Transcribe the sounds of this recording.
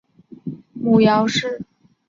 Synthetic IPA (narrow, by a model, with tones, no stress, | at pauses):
mu˨˩jɑ˧˥ʊʂɻ̩˥˩